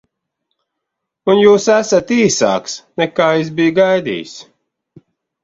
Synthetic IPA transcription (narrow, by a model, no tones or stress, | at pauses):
unjuːsæsat̪iːsa̰ːksnɛkaːis̬bijɡajd̪ḭːs